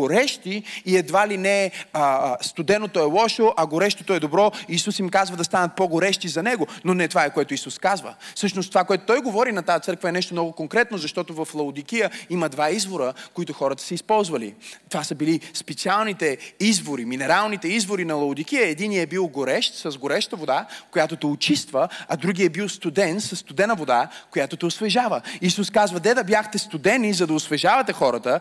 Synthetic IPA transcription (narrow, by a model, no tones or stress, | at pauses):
oɾɛʃt̪iːɛd̪valinɛəst̪ʊd̪ɛnot̪oɛlˠɔʃoʔɐɡoɾɛʃt̪o̥t̪oɛd̪obɾɔiːsusimkazvɐd̪ɐst̪anɐt̪̚poɡoɾɛʃt̪izɐnɛɡononɛt̪ovaɛkoɛt̪ʊisuskazvə̰fsɤʃnost̪ovakoɛt̪o̥t̪ɔjɡovɔɾinɐt̪ajɐt̪sɤɾkvəɛnɛʃt̪omnɔɡʊkoŋkɾɛt̪̚nozɐʃt̪ɔt̪ovɐflˠɐʊd̪ik̟ijəimɐd̪vaizvoɾəkoit̪ʊxɔɾət̪ə̥sɛispɔlˠzvɐlḭtt̪ovasɐbilispɛt̪sialˠnit̪ɛizvoɾiminɛɾalˠnit̪ɛizvoɾinɐlˠɐʊd̪ik̟ijəɛd̪iniɛbilˠɡoɾɛʃt̪sɐzɡoɾɛʃt̪əvod̪akojat̪ot̪ɛot͡ʃist̪vɐɐd̪ɾuɡʲiɛbilˠst̪ud̪ɛnsɐsːt̪ʊd̪ɛnɐvod̪akojat̪ot̪ɛʊsvɛʒavəiːsuskazvəd̪ɛd̪ɐbjaxt̪ɛst̪ʊd̪ɛnizɐd̪ɐʊsvɛʒavɐt̪ɛxɔɾət̪ə